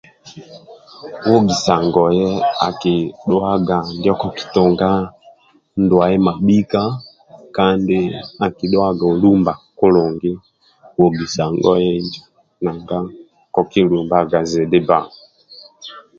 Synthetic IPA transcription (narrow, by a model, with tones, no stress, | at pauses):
wɔ˦ɡi˨sa˨ŋɡɔ˨jɛ˦a˨ki˨ɗɔ˦a˦ɡa˨ndɔ˦kɔ˨ki̥˨tɔ˨ŋɡa˦ | ndwa˨ɛ˦ma˨ɓi˦ka˦ | ka˦ndɪ˦a˨ki˨ɗwa˦ɡa˨u˨lu˦mba˨ku˦lɔ˨ŋɡi˦ | wɔ˨ɡi˨sa˨ŋɡɔ̰˦jɛ˦ɲd͡ʒ | na˨ŋɡa˦ | kɔ˨ki˦lu˨mba˦ɡa˨zɛ˨di˦ba˨ŋ˨